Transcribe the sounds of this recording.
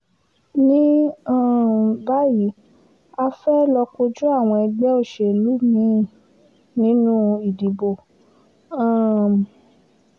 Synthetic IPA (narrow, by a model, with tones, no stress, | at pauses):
nĩ˦ã˦˨ba˦ji˨˦ | a˧fɛ˦lɔ˧ko˧d͡ʒu˦a˦˨w̃ɔ̃˧ɛ˧ɡ͡bɛ˦o˦˨ʃe˨lu˨˦mĩ˨˦˨ | nĩ˦nũ˦˧i˨di˨bo˨ | ã˦˨